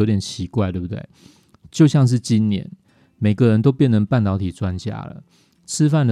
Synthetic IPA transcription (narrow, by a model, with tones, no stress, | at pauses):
o˧˦ʊt̪jɛ˨˩nt͡ɕʰi˧˥kwa˥˧t̪we˥˩bu˩t̪wḛ˥˩ɪ | t͡ɕjo˥˧ʊɕjɑ˥˧ŋʂ̬ɻ̩˥˨t͡ɕi˦nnjɛ̰˧˦n | me˨˩ɪɡə˦ɻə˧˦nt̪o˥ʊpjɛ˥˩nə˧˥ŋpa˥˩nt̪ɑ˨˧˥ʊt̪ʰi˨˩t͡swa˦nt͡ɕja̰˥lə̰˨ | t͡s̩ʰ˦fa˥˩nə˩